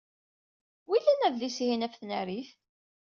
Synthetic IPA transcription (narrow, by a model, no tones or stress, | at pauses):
wilːænæðlishinæfθnæɾiθ